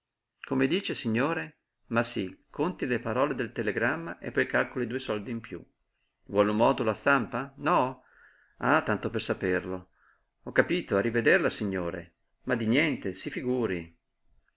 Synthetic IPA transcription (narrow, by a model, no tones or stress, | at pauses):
komed̪iːt͡ʃesiɲːoːɾe | masikʰont̪ilepaɾɔːled̪elt̪eleɡɾamːaʔḛpːɔjkalkolid̪uːesɔld̪iːmpjṵ | vwɔlumːɔːd̪olast̪ampanɔ | a̰t̪ːant̪opersaperlo | ɔkːapiːt̪oarived̪erlasiɲːoːɾḛ | mad̪injɛnt̪esifiɡuːɾi